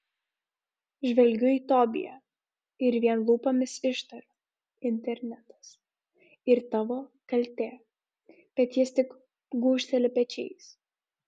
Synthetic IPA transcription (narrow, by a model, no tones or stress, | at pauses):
ʒʲʋʲɛlʲɡʲʊiːt̪ɔːbʲɪ̰jɛ̰ | ɪɾʋʲiɛnlˠuːpɐmʲɪsɪʃt̪ɐɾo | ɪnʲt̪ʲɛɾʲnʲɛt̪ɐ̥s | ɪɾt̪ɑʋoːkɐlʲt̪ʲeː | b̥ʲɛt̪ʲjɪst̪ʲɪk | ɡuːʃʲt̪ʲɛlʲɪpʲɛt͡ʃʲɛ̰ɪs